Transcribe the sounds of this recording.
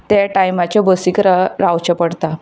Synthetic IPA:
t̪jaʈajmat͡ɕjabəsikɾaɾawt͡ɕapəɽt̪a

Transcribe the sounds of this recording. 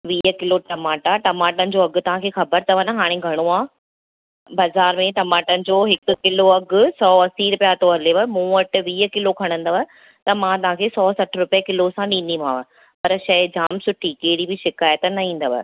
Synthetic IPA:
ʋiːəkɪloʈɐmaːʈaʈɐmaːʈənɪ̆d͡ʑoːɐɡʊ̆t̪ɐʋ̤ãkʰeːxɐbəɾt̪ʰɐʋən̆ɦaːɽ̃ẽɡʱɐɽ̃oaː | bɐzaːɾmẽʈɐmaːʈənɪ̆d͡ʑoːɦɪkʊ̆kɪloɐɡʊ̆sɔːɐsiːɾpijaːt̪oɐleʋɐmũːɐʈɪ̆ʋiːəkɪlokʰɐɽ̃ə̃nd̪əʋə | t̪ɐmãt̪ɐʋ̤ãkʰeːsɔːsɐʈʰɾʊpijəkɪlosãɗĩːn̆d̪im̤ãːʋə | pɐɾʃɐɪd͡ʑaːmsʊʈʰikeːɪɽibɪʃɪkaːjət̪nɐĩːn̆d̪əʋə̰

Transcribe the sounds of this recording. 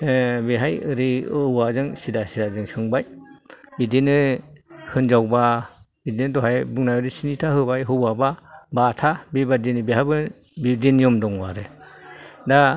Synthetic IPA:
beɦajɯɾiɯwazɯŋsidasidazɯŋsɯŋbajbidenɯ | hɯnd͡ʒawba | bidenɯdɔɦajbɯŋnajbadisinitʰaɦɯbajɦɯwababatʰabebadenibeɦabɯn | bidenjɔmdɔŋwa̰ɾɯ | da

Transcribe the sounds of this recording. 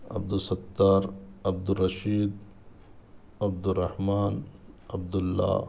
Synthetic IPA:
ɐ̰b̚d̪ʊsɐt̪ːaːɾɐb̚d̪ʊrːɐʃiːd̪ | ɐbd̪ʊrːɐhmaːnɐ̰bd̪ʊlːa̰ː

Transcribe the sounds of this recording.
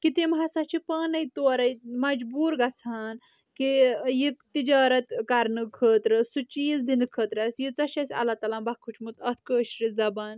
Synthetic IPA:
kit̪emɦasɐt͡ʃʰipɐːnɐjt̪oːɾɐjmɐd͡ʒbuːɾɡɐt͡sʰaːn | kijit̪id͡ʒaːɾɐt̪kaɾnɨkʰəːt̪ɾɐsut͡ʃiːzd̪inɨkʰəːt̪ɾɐsjit͡sɐʃɐsʲɐ̰lat̪aːlambɐkʰut͡ʃʰmut̪ɐt̪ʰkəːʃɾizɐbaːn

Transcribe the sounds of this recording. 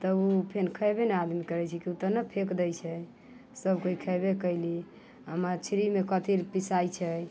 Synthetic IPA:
t̪əupʰenkʰəjbenead̪imikəɾɛt͡ʃʰɛkiut̪ənəpʰekd̪əjt͡ʃʰɛ | səbkoikʰəjbekəjli | ɦəmat͡ʃʰɾimekət̪iɾpisajt͡ʃʰɛ

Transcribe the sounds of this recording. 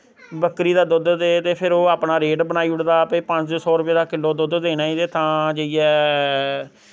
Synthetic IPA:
bəkɾiːd̪aːd̪ʊd̪d̪eːt̪eːpʰɪɾoːaːpnaːɾeːʈbənaːiːʊɽd̪aːpeːpə̃ɲt͡ʃd͡ʒoːsɔːɾʊpeːd̪aːkɪlːoːd̪ʊːd̪d̪eːnaːiːd̪eːt̪ãːd͡ʒeiɛː

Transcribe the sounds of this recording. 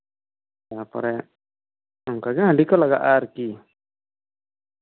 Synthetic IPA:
apɔ̰ɾɛ | ɔŋkaɡɛãɳɖikɔlaɡa̰ʔaɾki

